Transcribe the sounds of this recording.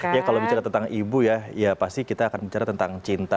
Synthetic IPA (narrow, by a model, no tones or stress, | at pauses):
jakalobit͡ʃaɾat̪ənt̪aŋʔibujajapast̪ikit̪aːkanbit͡ʃaɾat̪ənt̪aŋt͡ʃint̪a